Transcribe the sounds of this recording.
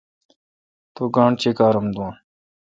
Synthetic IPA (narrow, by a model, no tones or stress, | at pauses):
t̪oːɡãːɳt͡ɕeːkaːɾɐmd̪uãː